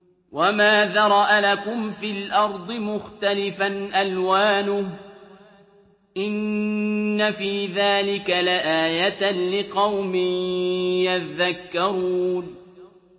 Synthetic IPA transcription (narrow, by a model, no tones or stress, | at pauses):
wamaːðaɾˤɑʔalakʊmfiːlʔɑɾˤd̪ˤɨmʊxt̪alɪfanʔalwaːnʊh | ʔɪnː | afiːðaːlɪkalaʔaːjat̪lɪqɑwmɪjjat̪ðakːɑɾˤuːn